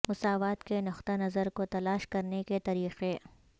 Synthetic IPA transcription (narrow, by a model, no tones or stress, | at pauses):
mʊsaːʋaːt̪kenʊxt̪anɐzəɾkot̪ɐlaːʃkɐɾneket̪ɐɾiːqe